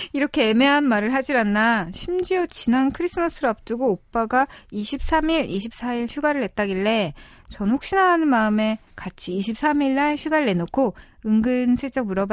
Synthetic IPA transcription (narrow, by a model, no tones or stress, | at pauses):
iɾʌkʰe̞eme̞ɦanmaɾɯɭɦad͡ʑiɾanːaɕʰimd͡ʑiʌt͡ɕinankʰɯɾis͈ʰɯmʌs͈ʰɯɾoap̚t͈uɡoːp͈aɡaiɕʰip̚s͈ʰamiɾiɕʰip̚s͈ʰaiɭɕʰuɡaɾɯɭɦe̞t͈̚aɡiɭːe̞ | t͡ɕʌnhok̚ɕ͈inɦaːnɯnmaɯme̞ | kat͡ɕʰiːɕʰip̚s͈ʰamiɭːaɭɕʰɥiɡaɾɯɭːe̞nokʰo | ɯŋɡɯnsʰet͡ɕ͈ʌk̚muɾʌb